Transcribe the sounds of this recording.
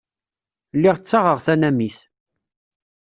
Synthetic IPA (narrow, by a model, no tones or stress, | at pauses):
lːiʁt͡sːɑʁəʁθænæmiθ